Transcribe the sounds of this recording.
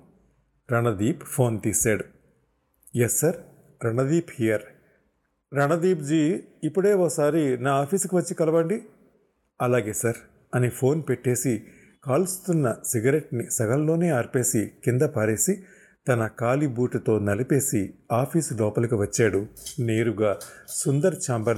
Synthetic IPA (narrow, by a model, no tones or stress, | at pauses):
ɾɐɳɐd̪iːppʰo̞ːnt̪iːsaːɽu | jesːɐɾ | ɾɐɳɐd̪iːphijɐɾ | ɾɐɳɐd̪iːpd͡ʒiːipːuɽe̞ːokɐsaːɾinaːaːpʰiːskiʋɐt͡ʃːikɐlɐʋɐɳɖi | ɐlaːɡe̞ːsɐɾ | ɐnipʰo̞ːnpeʈːe̞ːsi | kaːlust̪unːɐsiɡɐɾe̞ʈnisɐɡɐlːo̞ːneːɐɾpe̞ːsikind̪ɐpaːɾe̞ːsi | t̪ɐnɐkaːlibuːʈɐt̪o̞ːnɐlipe̞ːsiaːpʰiːslɔːpɐlɐkiʋɐt͡ʃːaːɽune̞ːɾuɡaːsund̪ɐɾt͡ʃaːmbɐɾ